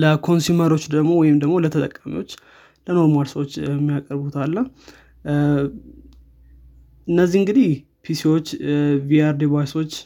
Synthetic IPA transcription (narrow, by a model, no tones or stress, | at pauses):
ləkʰo̞nsuməɾo̞t͡ʃːd̪əɡmo̞wɔjɪmd̪əɡmo̞lət̪ʰət̪ʼəkʼːamḭwo̞t͡ʃː | ləno̞ɾmalsəwot͡ʃːɛmːijakʼəɾbut̪ʰalːə | ɨnːəzːiɨŋɡɨd̪ih | pʰisiwo̞t͡ʃːviaɾd̪iβajso̞t͡ʃː